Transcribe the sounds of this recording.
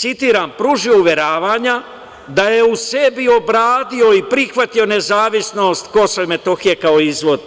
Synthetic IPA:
sit̪iːɾampɾuʒio̞uʋje̞ɾaːʋaːɲa | d̪ajeuse̞bio̞bɾaːd̪io̞ipɾixʋat̪io̞ne̞zaːʋisno̞ːst̪ko̞some̞t̪o̞xijekaoizʋo̞d̪

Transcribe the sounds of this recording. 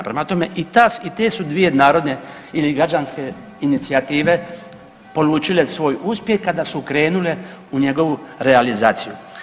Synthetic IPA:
pɾemat̪o̞me̞̰ʔit̪ait̪eːsud̪ʋije̞naːɾo̞d̪ne̞ | iliɡɾad͡ʒanske̞ | init̪siat̪iːʋe̞ | po̞luːt͡ʃile̞sʋo̞ːjuspje̞xkad̪asukɾe̞ːnule̞uɲe̞ɡo̞ʋuɾealizaːt̪siju

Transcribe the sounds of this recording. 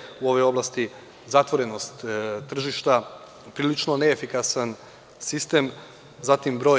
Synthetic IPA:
uo̞ʋojo̞blast̪i | zat̪ʋo̞ɾenost̪ːr̩ʒiʃt̪a | pɾilit͡ʃnoneːfikasan | sist̪em | zat̪imbɾo̞

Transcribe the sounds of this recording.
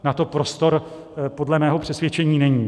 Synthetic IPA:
nat̪o̞pɾo̞st̪o̞ɾ | po̞dlɛmɛːɦo̞pr̝̥ɛsvjɛt͡ʃɛɲiːnɛɲiː

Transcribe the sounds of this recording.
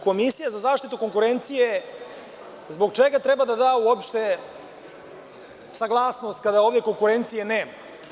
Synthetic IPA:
ko̞misijazazaːʃt̪it̪ukoŋkuɾe̞nt̪sije̞ | zboɡt͡ʃeɡat̪ɾebad̪ad̪aːuopʃt̪e̞ | saɡlˠaːsno̞st̪̚kad̪ao̞ːvd̪ʲe̞ko̞ŋkuɾe̞nt̪sije̞neːma

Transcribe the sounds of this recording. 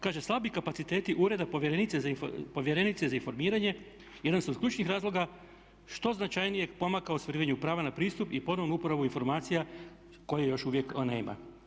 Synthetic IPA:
kaːʒeslˠabikapat̪sit̪e̞ːt̪iʔuɾe̞d̪apo̞ʋjeɾenit̪sezaipo̞ʋje̞ɾe̞nit̪sezainfo̞ɾmiːɾaɲe̞ | jed̪ansod̪̥kʲʎʲuːt͡ʃnixɾaːzlˠo̞ɡa | ʃt̪o̞znat͡ʃajnije̞po̞makaost̪oɾiːʋaɲupɾaːʋanapɾiːst̪upipo̞nonuupoɾaʋuinfo̞ɾmaːt̪sija | ko̞jejoʃuʋje̞knḛːma̰

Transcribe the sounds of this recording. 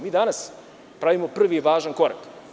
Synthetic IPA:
miːd̪anas | pɾaʋimopr̩ʋiʋaːʒanko̞ɾa̰k

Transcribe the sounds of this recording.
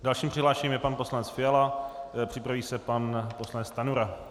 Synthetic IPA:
dalʃiːmpr̝̥ɪɦlaːʃɛɲiːmjɛpanpo̞slanɛt͡sfɪjalapr̥ɪpɾaviːsɛpanpo̞slanɛt͡st̪anuɾa

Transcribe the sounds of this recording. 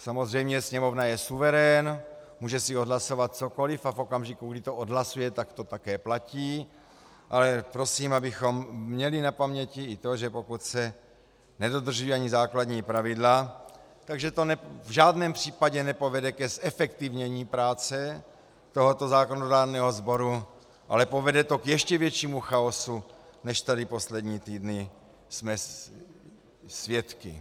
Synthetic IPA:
samo̞zrɛjmɲɛsɲɛmo̞vnajɛsuvɛɾɛnmuːʒɛsɪodlaso̞vat̪̚t͡so̞ko̞lɪfafo̞kamʒikuɡdɪt̪oʔodɦlasujɛt̪akt̪o̞t̪akɛːplaciː | ʔalɛpɾo̞siːmabɪxo̞mmɲɛlɪnapamɲɛcɪɪt̪o̞ʒɛpo̞kut̪sɛ | nɛdo̞d̪r̩ʒujiaɲizaːklad̪ɲiːpɾavɪdla | t̪aɡʒɛt̪o̞nɛvʒaːdnɛːmpr̝̥iːpaɟɛnɛpo̞vɛdɛkɛsɛfɛkt̪ɪvɲɛɲiːpɾaːt͡sɛ | t̪oɦot̪o̞zaːkonodaːɾnɛːɦo̞zbo̞ɾu | ʔa̰lɛpo̞vɛdɛt̪o̞kjɛʃcɛvjɛt͡ʃiːmuxaosunɛʃt̪adɪpo̞slɛdɲiːt̪iːdnɪ | smɛ | svjɛt̪kɪ̰

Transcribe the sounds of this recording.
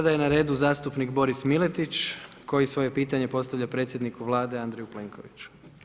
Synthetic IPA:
ad̪aje̞naɾe̞ːd̪uzaːst̪upnikbo̞ɾismilet̪it͡ʃko̞jisʋo̞je̞piːt̪aɲe̞po̞tst̪aʋʎapɾe̞ːt̪sjed̪nikuʋlˠaːd̪e̞and̪ɾejupleːŋkʰo̞̰ʋit͡ɕu̥

